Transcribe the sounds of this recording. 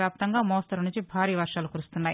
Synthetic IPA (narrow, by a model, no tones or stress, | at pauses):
jaːp̚t̪ɐŋɡaːmɔːst̪ɐɾɐnunɲt͡ʃibʱaːɾiːʋɐɾʂaːlukuɾust̪unːaːjḭ